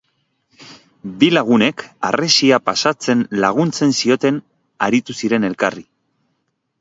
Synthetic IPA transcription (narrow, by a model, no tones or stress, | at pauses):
bilaɣ̞une̞ka̰resiapasat͡se̞nlaɣ̞unt͡se̞nsio̞t̪e̞n | aɾit̪usiɾe̞ne̞lkari